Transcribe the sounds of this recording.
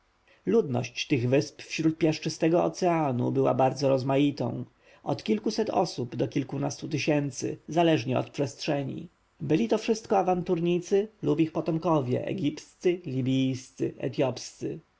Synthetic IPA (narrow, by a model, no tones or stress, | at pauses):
lud̪nɔ̰ɕt͡ɕt̪ɘɣvɘspfɕɾut̪̚pʲjaʂt͡ʂɘst̪ɛɡɔɔt̪sɛanṵbɘwa̰baɾd̪zɔɾɔzmajit̪ɔ̰̃w̃ | ɔ̰t̪kʲilkusɛt̪ɔ̰subd̪ɔkʲilkunast̪ut̪ɘɕɛnt̪sɘ̰zalɛʐɲɛɔ̰t̪̚pʂɛstʂɛɲḭ | bɘlʲit̪ɔfʂɘst̪̚kɔavant̪uɾɲit̪sɘlupixpɔt̪ɔmkɔvʲjɛ̰ʔɛ̰ɡʲipst̪sɘlʲibʲijst̪sɘ̰ʔɛ̰t̪jɔpst̪sɘ